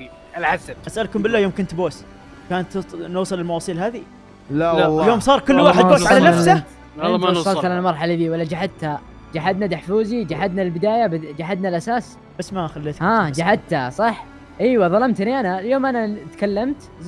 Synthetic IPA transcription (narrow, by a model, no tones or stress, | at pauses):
lħasaasʔalkʊmbɪlːajoːmkʊnt̪boːs | kaːnt̪nuːsˤɨlɪlmɑwɑːsˤiːlɦaːði | ljoːmsˤɑːɾˤkʊlːwaːħɪd̪boːʕalanaa | sˤɑlʕalalmɑɾˤħalɪðiːwalːad͡ʒaħad̪̚t̪ha | d͡ʒaħad̪nad̪aħfuːzid͡ʒaħad̪naɪlbɪd̪aːjab̪d͡ʒaħad̪nalʔasaːs | basːmaxalːat̪haːd͡ʒaħad̪̚t̪hasˤɑħ | ʔiːwaðˤɑlɑmt̪niʔanaljoːmʔanat̪kalːamt̪